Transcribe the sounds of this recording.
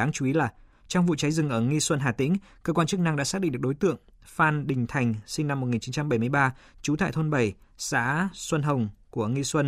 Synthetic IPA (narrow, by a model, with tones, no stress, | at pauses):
aː˨˦ŋt͡ɕu˧i˨˦laː˨˩ | t͡ɕɔ˧wŋ͡mvṵ˧˨t͡ɕa˨˦jzɨ˨˩ŋʔəː˧˩ŋi˧swə˧nɦaː˨˩t̪ḭ̈˧˥ŋkəː˧kwaː˧nt͡ɕk̚na˧ŋɗa̰ː˧˥saː˦˥ɗḭ˧˨ɗk̚ɗo˨˦jt̪ɨ̰˧˨əŋfaː˧˩nɗï˨˩ŋ̟t̪ʰa˨˩jŋ̟sï˧ŋna˧m̚ː˨˩ŋi˨˩nt͡ɕi˨˦nt͡ɕa˧mɓə˧˩jm˧əjɓaː˧t͡ɕu˨˦t̪ʰa̰ː˧˨jt̪ʰo˧nɓə˨˩jsa̰ː˧˥swə˧nɦə˨˩wŋ͡mku˧˩əŋi˧swə˧n